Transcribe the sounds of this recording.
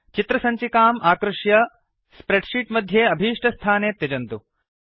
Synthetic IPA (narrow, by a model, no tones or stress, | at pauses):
t͡ʃit̪ɾɐsɐɲt͡ʃikaːmʔaːkɾuʂjɐ | spɾeɖʂiːʈmɐd̪ʱjeːɐbʱiːʂʈɐst̪ʰaːneːt̪jɐd͡ʒɐnt̪u